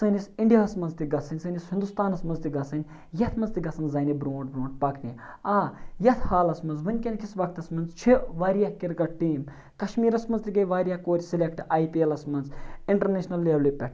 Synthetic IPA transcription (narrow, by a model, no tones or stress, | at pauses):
sənisiɳɖijaːɐsmɐnzt̪iɡɐsʰɐnʲsɨːnʲishind̪ust̪aːnɐsmɐnzt̪iɡɐt͡sɐnʲ | jɐt̪ʰmɐnzt̪iɡɐsɐnzzɐːnibɾoːɳʈ̚bɾoːɳʈ̚pɐkʰnʲiaːjɐt̪ʰhaːlɐsmɐnzʋɐnʲkʲenkisʋɐk̚t̪ɐsmɐnzt͡ʃʰiʋaːɾijakiɾɡɐʈiːm | kɐʃmiːɾɐsmɐnzt̪iɡɐjʋaːɾijaːkoːɾʲsilʲekʈaːjpiɐlɐsmɐnziɳʈɐɾneːʃnɐlːeʋlipʲɛʈ